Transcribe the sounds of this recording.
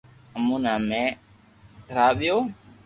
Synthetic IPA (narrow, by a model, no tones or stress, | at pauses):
əmuːnãːmẽː | t̪ʰəɾaːɓɪjoː